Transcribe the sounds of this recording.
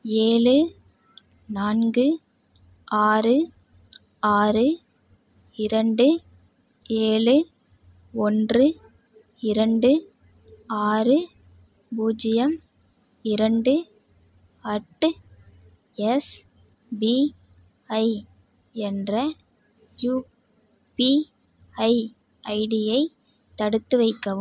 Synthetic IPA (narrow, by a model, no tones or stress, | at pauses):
eːɭɯ | naːnɡɯ | aːrɯ | aːrɯ | ɪɾɐɳɖɯ | eːɭɯ | ɔndrɯ | ɪɾɐɳɖɯ | aːrɯ | buːd͡ʒɪjɐm | ɪɾɐɳɖɯ | ɐʈːɯ | ɛs | bi | ɐɪ | ɛndrɐ | juː | pi | ɐɪ | ɐɪɽɪjɐɪ | t̪ːɐɽɯt̪ːɯʋɐɪkːɐʋɯm